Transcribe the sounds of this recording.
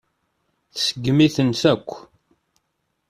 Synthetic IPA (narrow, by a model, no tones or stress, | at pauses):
θsəɡmiθənsækʷː